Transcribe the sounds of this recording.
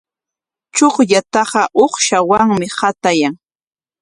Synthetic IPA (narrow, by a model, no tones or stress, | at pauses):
t͡ʃoχʎat̪ɑɢɑʔoχʃawaŋmɪhat̪ajaŋ